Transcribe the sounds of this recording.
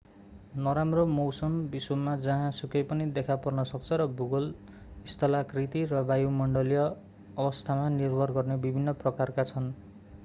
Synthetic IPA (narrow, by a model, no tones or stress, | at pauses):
nʌɾamrʌmowsʌmbiswumːad͡zʌɦãsukʌjpʌnid̪ekʰapʌrnʌsʌk̚t͡sʰʌɾʌbuɡol | ist̪ʰʌlakrit̪iɾʌbajumʌɳɖʌlijʌː | bʌst̪ʰamanirbʱʌrɡʌrnebibʱinːʌprʌkarkat͡sʰʌn